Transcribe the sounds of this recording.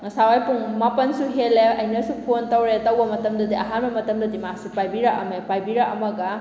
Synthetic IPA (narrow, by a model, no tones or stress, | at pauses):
sawajpuŋmapɐnsuɦeleɐjnɐsupʰontɐwɾetɐwbɐmɐtɐmdɐdiʔɐɦanbɐmɐtɐmdɐdimasupajbiɾɐʔɐmepajbiɾɐɐmɐɡɐ